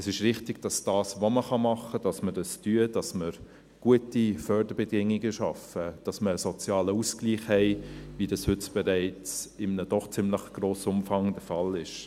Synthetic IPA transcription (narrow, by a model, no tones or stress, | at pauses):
əsɪʃɾɪχtɪɡ̥d̥ɑsd̥ɑːsʋoməχɑmɑχəd̥ɑsməd̥ɑstyːəd̥ɑsməɾ | ɡ̥uətifœɾdəɾb̥ɛdɪŋiɡəʃɑfəd̥ɑsməɾəsɔt͡sjɑːləuːskliːχhɛɪʋidɑshʏtb̥ɛɾæɪt͡sɪmənəd̥ɔχt͡sɪmləχɡ̥ɾoːsʊmfɑŋd̥əfɑlɪʃ